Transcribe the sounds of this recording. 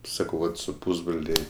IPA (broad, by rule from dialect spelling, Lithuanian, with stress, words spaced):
ˈsɑːkɐʊ ˈʋɐt sʊ ˈpʊzbroːlʲeː